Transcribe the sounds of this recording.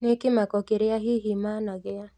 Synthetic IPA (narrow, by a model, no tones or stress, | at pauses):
nekɪmakɔkeɾɪjaɦiɦimanaɡɪja